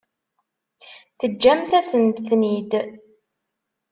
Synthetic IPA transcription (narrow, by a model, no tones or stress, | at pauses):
θəd͡ʒːæmθæsənd̪θnid̪